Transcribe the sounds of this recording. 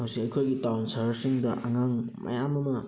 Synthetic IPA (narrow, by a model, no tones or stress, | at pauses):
hawsikɐjkʰojɡitawnsaɾsiŋdɐʔaŋaŋmɐ̰jamɐmɐ